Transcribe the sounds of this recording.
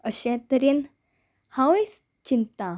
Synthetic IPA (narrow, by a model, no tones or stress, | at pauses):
əɕɛ̃t̪əɾin | haʋes | t͡ɕint̪a